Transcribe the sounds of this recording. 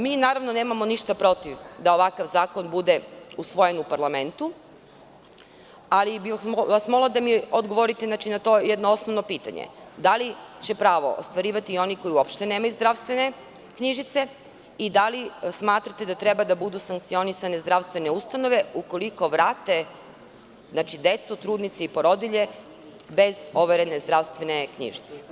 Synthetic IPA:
miːnaːɾaʋno̞ne̞ːmamoniʃt̪apɾo̞t̪iʋd̪aoʋakaʋzaːkonbud̪e̞usʋo̞jenupaɾlˠame̞nt̪u | alibiʋasmo̞ɡlad̪amiod̪ɡoʋoɾit̪enat͡ʃinat̪o̞jed̪noo̞snoʋnopiːt̪a̰ɲḛd̪alit͡ɕe̞pɾaːʋo̞̰ʔo̰st̪ʋaɾiːʋat̪iːo̞niko̞iuo̞pʃt̪e̞neːmajuzd̪ɾaʋst̪ʋe̞ne̞ | kɲiʒit̪se | id̪alismaːt̪ɾat̪e̞d̪at̪ɾebad̪abud̪usaŋk̚t̪sio̞nisane̞zd̪ɾaʋst̪ʋe̞neust̪ano̞ʋe̞uko̞liko̞ʋɾaːt̪e̞ | znat͡ʃid̪e̞t̪sut̪ɾuːd̪nit̪seipoɾo̞d̪iʎe̞ | be̞zo̞ʋeɾenezd̪ɾaʋst̪vʋe̞ne̞kɲḭʒi̥t̪se̥

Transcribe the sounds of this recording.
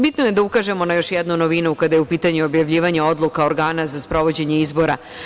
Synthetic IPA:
bit̪noje̞d̪aukaʒe̞mo̞najo̞ʃjɛd̪nunoʋinukad̪ajeupiːt̪aɲuo̞bjaʋʎiːʋaɲeo̞d̪lˠukaoɾɡaːnazaspɾo̞ʋo̞d͡ʑe̞ɲe̞izbo̞ɾa

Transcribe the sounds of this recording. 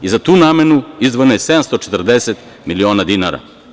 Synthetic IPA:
izat̪uːnaːmenuizʋonojesed̪amst̪ot͡ʃet̪rd̪eset̪ | milio̞ːnad̪inaɾa̰

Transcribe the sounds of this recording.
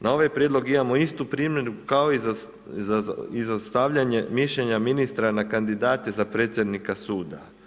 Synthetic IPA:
nʔao̞ʋajpɾje̞d̪lo̞ɡimamo̞ist̪upɾiːmjenukaoiz | zaizast̪aʋʎaɲemiʃʎeɲaminist̪ɾanakand̪id̪aːt̪ezapɾe̞ːt̪sʲjed̪nikasuːd̪a

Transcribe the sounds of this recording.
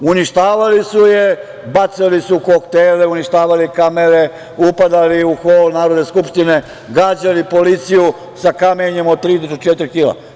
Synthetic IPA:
uniʃt̪aːʋalisuje | bat̪salisukokt̪eːleuniʃt̪aːʋalikameɾe | upad̪aliuxoːlnaːɾod̪neskupʃt̪ine̞ | ɡaːd͡ʑalipo̞lit̪siju | sakameɲemod̪̚t̪ːɾiːd̪ot̪ot͡ʃet̪ɾixiːla̰

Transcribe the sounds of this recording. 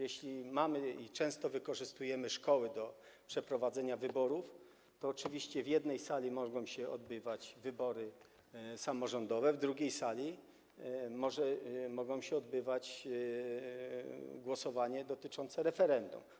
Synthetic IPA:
jɛɕlʲimamɘit͡ʂɛ̃w̃st̪ɔvɘkɔʐɘst̪ujɛmɘʂkɔwɘd̪ɔ | pʂɛpɾɔvad̪zɛɲavɘbɔɾuf | t̪ɔːt͡ʂɘvʲiɕt͡ɕɛvʲjɛd̪nɛjsalʲimɔɡɔ̃w̃ɕɛɔ̰d̪bɘvat͡ɕvɘbɔɾɘ | samɔʐɔnd̪ɔvɛvd̪ɾuɡʲejsalʲi | mɔʐɛmɔɡɔ̃w̃ɕɛɔd̪bɘvat͡ɕ | ɡwɔsɔvaɲɛd̪ɔt̪ɘt͡ʂɔnt̪sɛɾɛfɛɾɛnd̪ṵm

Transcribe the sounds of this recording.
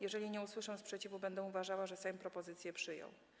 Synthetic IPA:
jɛʐɛlʲiɲɛuswɘʂɛw̃spʂɛt͡ɕivubɛnd̪ɛuvaʐawaʐɛsɛmpɾɔpɔzɘt̪sʲjɛpʂɘjɔ̰̃w̃

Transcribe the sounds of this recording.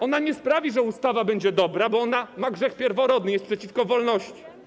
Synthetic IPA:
ɔnaɲɛspɾavʲiʐɛust̪avabɛɲd͡ʑɛd̪ɔbɾabɔɔnamaɡʐɛxpʲjɛɾvɔɾɔd̪nɘjɛst̪pʂɛt͡ɕifkɔvɔlnɔɕt͡ɕi̥

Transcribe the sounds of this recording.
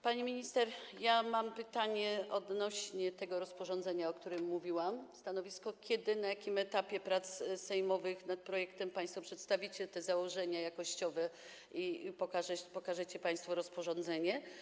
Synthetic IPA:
paɲemʲiɲist̪ɛɾjamampɘt̪aɲɛʔɔd̪nɔɕɲɛt̪ɛɡɔɾɔspɔʐɔnd̪zɛɲaɔkt̪uɾɘmːuvʲiwamst̪anɔvʲiskɔkʲɛd̪ɘnajakʲimɛt̪apʲjɛpɾat̪ssɛjmɔvɘxnat̪̚pɾɔjɛkt̪ɛmpaj̃st̪fɔpʂɛt̪st̪avʲit͡ɕɛt̪ɛzawɔʐɛɲajakɔɕt͡ɕɔvɛ | ipɔkaʐɛpɔkaʐɛt͡ɕɛpaj̃st̪fɔɾɔspɔʐɔ̃nd̪zɛɲɛ

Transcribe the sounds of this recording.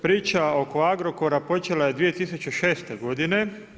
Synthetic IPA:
pɾiːt͡ʃao̞ko̞aɡɾo̞ko̞ɾapo̞t͡ʃe̞laje̞d̪ʋije̞t̪isut͡ɕeʃe̞ːst̪e̞ɡo̞d̪ine̞

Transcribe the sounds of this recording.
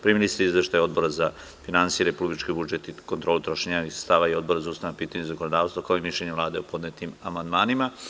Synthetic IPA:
pɾimilisɾiizʋeʃt̪ajo̞d̪bo̞ɾaza | finansijeɾepublit͡ʃkibud͡ʒet̪ikont̪ɾoːlˠut̪ɾo̞ʃeɲaixst̪aːʋaio̞d̪̚bo̞ɾazauːst̪ajanapiːt̪aɲezakonod̪aːʋst̪vakaoimiʃʎeɲeʋlˠaːd̪eopo̞d̪net̪imamand̪maːnima

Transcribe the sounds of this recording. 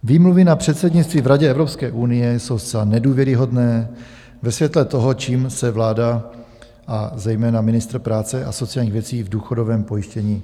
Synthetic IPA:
viːmluvɪnapr̝̥ɛt̪sɛdɲɪt͡st̪viːvɾaɟɛɛvɾopskɛːʔunɪjɛso̞wst͡sɛlanɛduːvjɛɾɪɦo̞dnɛː | vɛsvjɛt̪lɛt̪o̞ɦot͡ʃiːmsɛvlaːda | ʔazɛjmɛːnamɪnɪst̪ɾ̩pɾaːt͡sɛʔa̰so̞t͡sɪjalɲiːɣvjɛt͡siːvduːxo̞do̞vɛːmpo̞jɪʃcɛɲiː

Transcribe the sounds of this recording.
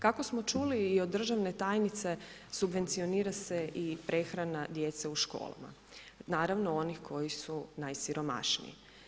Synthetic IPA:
kakosmot͡ʃuliːod̪ːr̩ʒaʋne̞t̪aːjnit̪se̞ | subʋe̞nt̪sio̞niːɾase̞ʔipɾe̞xɾanad̪jet̪seuʃko̞̰ːlˠa̰ma̰ | naːɾaʋnoo̞nixkʰo̞jisunajsiɾo̞ma̰ʃnḭḭ

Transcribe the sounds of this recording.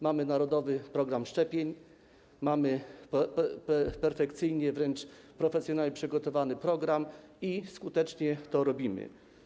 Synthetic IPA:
mamɘnaɾɔd̪ɔvɘpɾɔɡɾamʂt͡ʂɛpʲjeɲ | mamɘ | ppɛɾfɛkt̪sɘjɲɛvɾɛnt͡ʂ | pɾɔfɛsʲjɔnaɲʲɛpʂɘɡɔt̪ɔvanɘpɾɔɡɾamiskut̪ɛt͡ʂɲɛt̪ɔɾɔbʲimɘ̰

